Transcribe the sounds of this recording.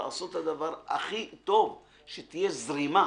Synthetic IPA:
a̰a̰so̞t̪ad̪avaʁa̰χit̪o̞v | ʃet̪ije̞zʁima

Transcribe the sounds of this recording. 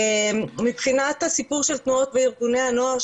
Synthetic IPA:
mipχinat̪hasipuʁʃelt̪nuo̞t̪veiʁɡunehano̞aʁ

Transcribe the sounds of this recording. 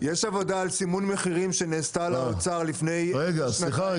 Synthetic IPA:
jeʃavo̞daːlsimunmeχiʁimʃe̞neːst̪alamot͡saʁlifne̞jʁeɡasiχa

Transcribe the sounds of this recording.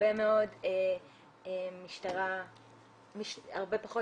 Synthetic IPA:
emeo̞de | emiʃtaʁa | miʃa̰ʁbe̞paχo̞

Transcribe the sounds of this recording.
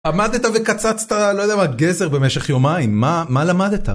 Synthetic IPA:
amad̪et̪ave̞kat͡sat͡st̪alojdejamaɡezeʁbe̞meʃeχjo̞maimːamalamad̪et̪a̰

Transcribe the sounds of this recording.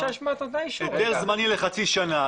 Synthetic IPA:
aʃmat̪od̪ajʃet̪eʁzmanileχat͡siʃana

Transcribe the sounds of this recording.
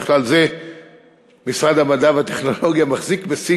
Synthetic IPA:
χlalze | misʁad̪amadavat̪eχno̞lo̞ɡjamaχzikbesi

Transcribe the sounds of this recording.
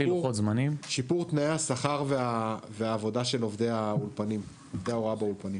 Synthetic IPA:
iotzmanimʃipuʁt̪naeasaχaʁveaveaːvo̞daʃe̞lo̞vd̪e̞jaulpanim | ovd̪eao̞ʁabaulpanim

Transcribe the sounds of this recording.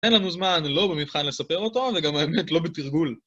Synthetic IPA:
enlanuzmanlo̞bemivχanle̞sape̞ʁo̞to̞veɡamaemet̪lo̞bet̪iʁɡul

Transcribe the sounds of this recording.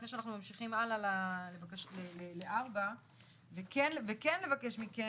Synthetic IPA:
fneʃeanaχnumamʃiχimalalalevakaʃleleleʔaʁba | vekenvekenle̞vake̞ʃmike

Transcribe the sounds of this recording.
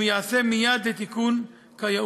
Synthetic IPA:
jaasemijad̪let̪ikun | kaja

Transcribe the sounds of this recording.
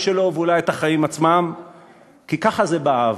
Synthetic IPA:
ʃelo̞veulajet̪aχajimat͡smam | kikaχazebaav

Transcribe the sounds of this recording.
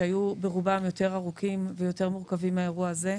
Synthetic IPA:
ajube̞ʁubamjo̞te̞ʁaʁukʰimvejo̞te̞ʁmuʁkavimaeʁuaaze̞

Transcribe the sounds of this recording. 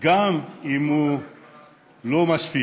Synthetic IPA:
ɡamimu | lomasfi

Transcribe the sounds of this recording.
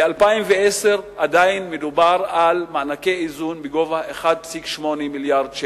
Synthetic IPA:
ealpaimveeseʁadainmedubaʁalmaːnakeizunbeɡo̞vaeχad̪̚psikʃmonemiljaʁd̪ʃe

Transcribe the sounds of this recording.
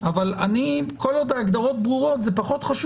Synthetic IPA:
avalanikʰolod̪aːɡd̪aʁo̞t̪̚bʁuʁo̞t̪zepaχo̞t̪χaʃ

